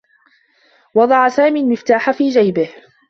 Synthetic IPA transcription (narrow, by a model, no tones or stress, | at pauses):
wɑd̪ˤɑʕasaːmiːlmɪft̪aːħafiːd͡ʒajbɪh